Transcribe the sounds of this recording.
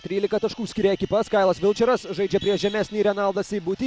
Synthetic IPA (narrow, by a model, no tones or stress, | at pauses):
t̪ʲɾʲiːlʲɪkɐt̪ɐʃkuːsʲkʲɪɾʲɛɛkʲɪpɐskɐɪlˠɐsʋʲɪlˠʲt͡ʃʲɛɾɐsʒɐɪd͡ʒʲɛpʲɾʲiɛʒʲɛmʲɛsʲnʲiːɾʲɛnɑlˠd̪ɐsʲɪːbʊt̪ʲiː